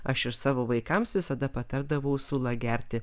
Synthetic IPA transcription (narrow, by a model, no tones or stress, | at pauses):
ɐʃɪʃsɑːʋoːʋɐɪkɐmsʋʲɪsɐd̪ɐpɐt̪ɐɾd̪ɐʋɐʊsʊlˠɐɡʲæɾʲt̪ʲɪ